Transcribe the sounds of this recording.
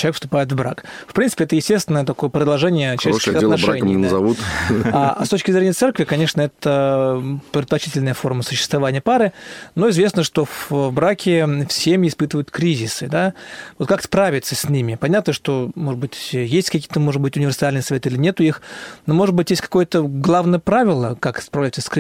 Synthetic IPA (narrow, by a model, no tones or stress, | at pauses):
t͡ɕɪlˠvʲekfst̪ʊpajɪt̪vbɾa̰kfpɾʲinsɨ̥pʲɛt̪əjɪsʲtʲest̪vʲɪnəjət̪ɐko̞jəpɾʲɪd̪lˠʐɛnʲɪjəssʲɐt̪eaʂɾaɛmʲɪnəzɐvut̪ast̪ot͡ɕkʲɪzɾʲenʲɪjət̪sɛrkvʲɪkɐnʲe̞ʂnəɛt̪ə | pɾʲɪd̪t̪̚plɐt͡ɕitʲɪlʲnəjəfo̞rməsʊ̥ɕːɪ̥st̪vɐvanʲɪjəpaɾɨno̞ɪzvʲe̞snəʂt̪o̞fbɾakʲɪfsʲemʲɪɪspɨt̪ɨvəjʊt̪kɾʲizʲɪsɨd̪avot̪kakspɾavʲɪt̪səsʲnʲimʲɪpɐnʲat̪nəʂt̪o̞moʐɨd̪̚bɨtʲjesʲtʲkɐkʲijət̪əmo̞ʐɨd̪bɨtʲʊnʲɪvʲɪrsalʲnɨjsɐvʲe̞t̪ilʲɪnʲe̞t̪ʊixnomo̞ʐɨd̪̚bɨtʲjesʲt̪ʲkɐ̥ko̞jət̪əɡlˠavnəjəpɾavʲɪlˠəkakspɾɐvlʲæjt̪səsk